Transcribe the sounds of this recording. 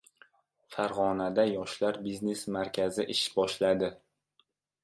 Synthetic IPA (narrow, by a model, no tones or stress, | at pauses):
faɾʁɒnad̪ajɒʃlaɾbizne̞smaɾkʲʰazɪʔɪʃbɒʃlad̪ɪ